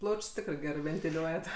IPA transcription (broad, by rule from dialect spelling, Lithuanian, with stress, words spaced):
ˈplˠɐʊt͡ʃʲsʲ ˈtʲɪkrɐɪ ˈɡʲæːrɜ ʋʲɛnʲtʲɪˈlʲuɔjɛt